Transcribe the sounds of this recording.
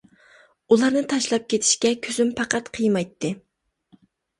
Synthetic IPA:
ulˠɑɾnɨt̪ʰɑʃlˠɑp̚kʲet̪ʰɪ̥ʃkʲɛkʲʰøzympʰɑqʰɑt̪qʰəjmɑjt̪ʰːɨ

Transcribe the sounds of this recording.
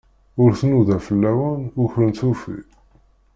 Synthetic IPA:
ʊɾθnuðæfəlːæwənʊçɾənθufḭ

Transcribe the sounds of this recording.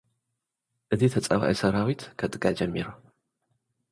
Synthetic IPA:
ʔɨzit̪ʰɐt͡sʼɐβa̰ʔisɐɾawit̪kʰɐt̪ʼɨɡad͡ʒɐmːiɾu

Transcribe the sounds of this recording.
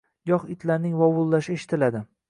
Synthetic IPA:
jɒχɪt̪ʰlaɾnɪŋvɒwʊlˠːaʃɪeʃɪ̥t̪ʰɪlad̪ɪ

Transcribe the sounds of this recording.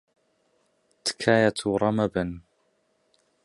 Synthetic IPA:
t̪kʰaːjat̪ʰuɾˤɑmaban

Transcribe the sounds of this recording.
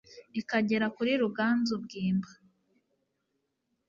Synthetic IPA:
ikaɟe̞ɾakuɾiɾuɡaːnzubɡiːmbḁ

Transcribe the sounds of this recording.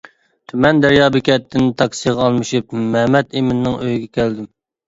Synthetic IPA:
t̪ʰymɛnd̪æɾjɑːbɪkʲɛt̪ːɪnt̪ʰɑksijʁɑɑlˠmɨʃup̚mɛmɛt̪emɪnːɪŋøjɡʲɛkʲʰæld̪ɪm

